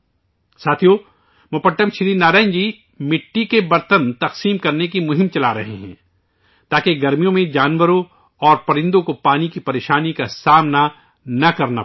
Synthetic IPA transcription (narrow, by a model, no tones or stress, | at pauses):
saːt̪ʰijo | mɐpəʈːəmʃɪɾiːnaːɾãːɲd͡ʒiː | mɪʈːikebɐɾt̪ənt̪ɐqsiːmkɐɾnekimʊɦɪ̃mt͡ʃɐlaɾɐɦḛɦɛ̰̃ː | t̪aːkeɡɐɾmijõmẽd͡ʒaːnʋəɾõ | ɔːɾpɐɾɪ̃nd̪õkopaːnikipɐɾeːʃaːnikasaːmna | nɐkɐɾna̰